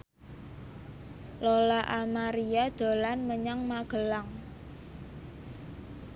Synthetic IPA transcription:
lolaʔamaɾiad̪̥o̤lanməɲaŋmaɡ̥ə̤laŋ

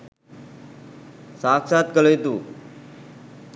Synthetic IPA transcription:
saksat̪kələjt̪uː

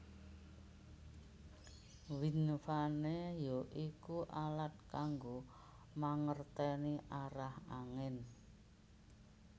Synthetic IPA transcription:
winfanejoʔikuʔalat̪̚kaŋɡo | maŋərt̪ɛniʔaɾahaŋɪn

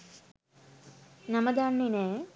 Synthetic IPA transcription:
nɐmɐd̪aːɳːine

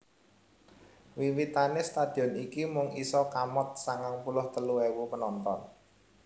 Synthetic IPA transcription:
wiwit̪anest̪ad̪̥i̤ɔnikimʊŋisɔkamɔt̪̚saŋaŋpulʊht̪əluewupənɔnt̪ɔn

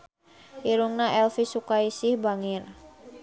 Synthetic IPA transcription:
ʔiɾuŋnaɛlfisukaisɪhbaŋɪr

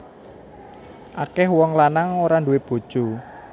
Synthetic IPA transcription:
ʔakɛhwɔŋlanaŋoɾanduweb̥o̤d̥ʒ̥u

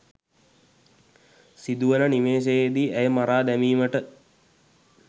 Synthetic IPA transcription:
sid̪uʋənəniʋeːs̬ejed̪iːʔæjəmaɾaːd̪æmiːməʈə

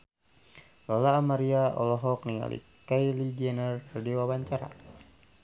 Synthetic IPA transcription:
lɔlaːmaɾiaʔɔlɔɦɔk̚niŋa̰lʔḭ | kajlid͡ʒɛnərədiwabaɲt͡ʃaɾa̰

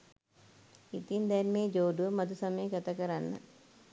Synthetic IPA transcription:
it̪ind̪ɐɾmeːd͡ʒoːɖumɐd̪usɐmɐjɐɡɐt̪ɐkɐɾɐnːɐ̰

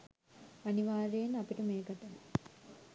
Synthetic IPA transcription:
ɐniʋaːɾejɐnɐpiʈumeːkɐʈːɐl

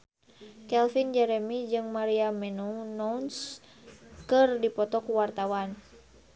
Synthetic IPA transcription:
kɛlfind͡ʒɛɾɛmid͡ʒɨŋmaɾiamɛnunɔns | kɨrdipɔt̪ɔkuwart̪awan

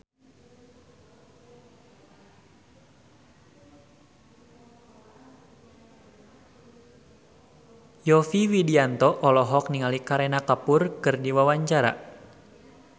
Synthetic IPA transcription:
jɔfiwidiant̪ɔʔɔlɔɦɔk̚niŋalikaɾenakapʊrkɨrdiwawaɲt͡ʃaɾa̰

